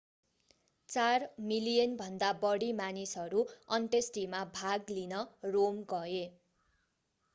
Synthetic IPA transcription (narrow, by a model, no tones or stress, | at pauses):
t͡sarmilijʌnbʱʌnd̪abʌɽimanisʌɾuʌɳʈesʈimabʱaɡlinʌromɡʌe